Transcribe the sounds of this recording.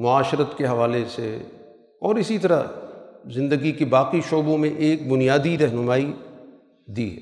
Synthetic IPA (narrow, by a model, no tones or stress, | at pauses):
mʊaːʃɾət̪keɦɐʋaːlesḛ | ɔːɾɪsit̪ɐɾa | zɪ̃nd̪əɡikibaːqiʃoːbõmẽʔeːk̚bʊnijaːd̪iɾɛɦnʊmaːi | d̪ḭːɦɛ̰ː